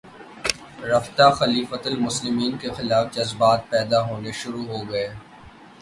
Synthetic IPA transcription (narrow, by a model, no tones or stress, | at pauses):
ɾɐft̪axɐliːfət̪əlmʊslɪmiːnkexɪlaːfd͡ʒɐzbaːt̪̚pɛːd̪aɦoːneʃʊɾuɦoɡɐeː